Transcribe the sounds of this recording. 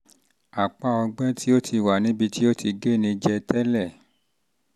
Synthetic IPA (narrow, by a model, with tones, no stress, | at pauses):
a˨k͡pa˦˨ɔ˧ɡ͡bɛ̃˦tʰi˦o˦tʰi˧˨wa˨nĩ˨˦bi˧ti˦o˦ti˧ɡe˦˨nĩ˧d͡ʒɛ˧tɛ˦lɛ˦˨